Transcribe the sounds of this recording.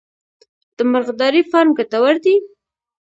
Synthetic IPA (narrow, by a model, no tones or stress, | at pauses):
d̪̥əməɾɣd̪ɑɾifɑɾmɡət̪awaɾd̪i